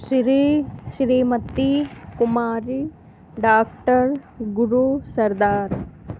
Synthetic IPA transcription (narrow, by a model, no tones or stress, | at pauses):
ʃɾiʃɾiːmɐt̪ːikumaːɾi | ɖaːkʈəɾ | ɡuɾusɐɾd̪aːɾ